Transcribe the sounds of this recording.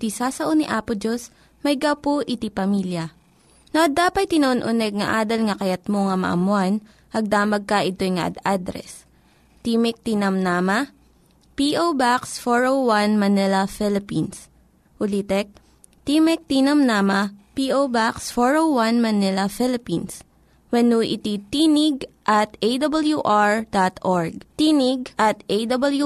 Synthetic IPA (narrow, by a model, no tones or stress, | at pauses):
t̪isasɐʔoniʔaːpʊd͡ʒos | mɐjɡapoʔɪt̪ipɐmiljɐ | noʔɐd̪aːpɐt̪̚t̪ːɪnɐʔonʔʊnɛɡ̚ŋɐ̰ʔaːd̪ɐlŋɐkɐjɐt̪̚moŋɐmɐ̰ʔɐ̰mʊan | ʔɐɡ̚d̪aːmɐɡ̚kɐʔɪt̪ojŋɐ̰ʔɐ̰d̪ad̪ɾɛ̰s | t̪imɛk̚t̪inɐmnaːmɐ | piʔowbaksfoɹowwanmɐnɛlɐfɪlɪpins | ʔʊlit̪ɛk̚ | t̪imɛk̚t̪inɐmnaːmɐpiʔowbaksfoɹowwanmɐnɛlɐfɛlɪpins | wɐnuʔɪ̰t̪it̪iːnɪɡʔɐt̪ejd̪ɐbɐljuʔaɹd̪at̪ʔoɹɡ̚t̪iːnɪɡʔɐt̪ejd̪ɐbɐlju